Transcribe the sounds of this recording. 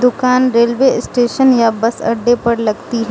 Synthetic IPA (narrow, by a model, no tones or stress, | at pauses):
d̪ʊkaːnɾeːlʋesʈeːʃənjabɐsɐ̰ɖepɐɾlɐɡt̪iɦɛ